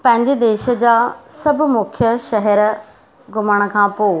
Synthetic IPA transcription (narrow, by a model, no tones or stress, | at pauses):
pɐ̃ɦɪ̃ɲd͡ʑed̪eːʃə̆d͡ʑaːsɐbʱʊ̆mʊkʰjəʃɐɦɛɾ | ɡʱʊməɽ̃ə̆kʰãːpoː